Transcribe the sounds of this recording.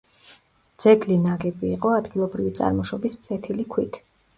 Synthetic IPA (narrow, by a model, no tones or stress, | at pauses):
d̪z̥ɛɡlinaɡɛbiːqʼɔad̪ɡilˠɔbɾivit̪sʼa̰ɾmɔʃɔbispʰlɛt̪ʰilikʰwit̪ʰ